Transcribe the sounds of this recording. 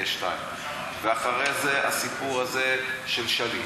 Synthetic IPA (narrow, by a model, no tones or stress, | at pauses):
eʃlaem | veaχaʁejzeʔa̰sipuʁazeʃelʃali